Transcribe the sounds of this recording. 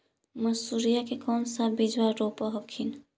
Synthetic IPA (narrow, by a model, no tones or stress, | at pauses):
məsuɾijakekɔnsabid͡ʒwaɾopəɦəkʰin